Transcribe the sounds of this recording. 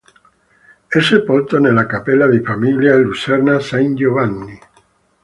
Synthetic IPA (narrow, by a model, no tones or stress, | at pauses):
ɛsepɔlt̪onelːakapelːad̪ifamiljalusɛrnasand͡ʒovanːi